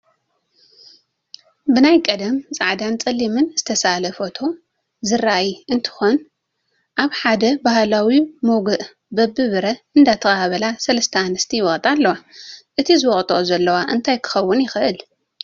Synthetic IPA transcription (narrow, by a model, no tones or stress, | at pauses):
bɨnajkʼɐd̪ɐmt͡sʼaʕd̪ant͡sʼɐlːimɨnz̥ɨt̪ʰɐsalɐfot̪ʰo̞ | zɨrajiɨnt̪ʰɨ̥xo̞n | ʔaβħad̪ɐbahlawimoɡɨʔ | bɐbːɨβɨɾɐɨnd̪at̪ʰɐxahaβɐlasɐlɐst̪ʰɐanɨst̪ʰijwɔχʼt̪ʼalːɐwaʔɨt̪ʰizɨwɔχʼt̪ʼozɐlːɐwaʔɨnt̪ʰajkʰɨ̥xɐwːʊnjɪxɨʔɨl